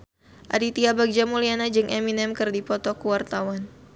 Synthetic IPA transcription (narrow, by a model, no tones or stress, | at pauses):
ʔa̰dit̪iabaɡ̚d͡ʒamulianad͡ʒɨŋʔɛminɛmkɨrdipɔt̪ɔkuwart̪awan